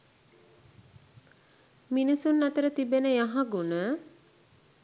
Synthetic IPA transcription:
minisunːat̪əɾət̪ibenəjaɦaɡunə

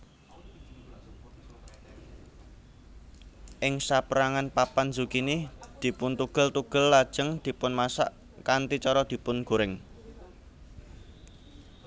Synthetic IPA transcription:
ʔɪŋsapəɾaŋanpapanzukinid̪̥i̤pʊnt̪uɡ̥ə̤lt̪uɡ̥ə̤lːad̥ʒ̥ə̤ŋd̪̥i̤pʊnmasa̰ʔ | kant̪it͡ʃɔɾɔd̪̥i̤pʊnɡ̥o̤ɾɪŋ

